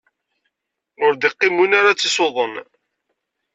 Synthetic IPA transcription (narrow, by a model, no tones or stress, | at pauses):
ʊɾd̪iqːimunaɾat͡sːisoðˤən